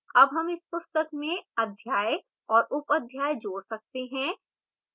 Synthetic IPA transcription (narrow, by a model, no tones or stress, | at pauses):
ɐbɦɐmɪspʊst̪əkmẽɐd̪ʱjaːj | ɔːɾʔʊpəd̪ʱjaːjd͡ʒoːɽsɐk̚t̪eɦɛ̃ː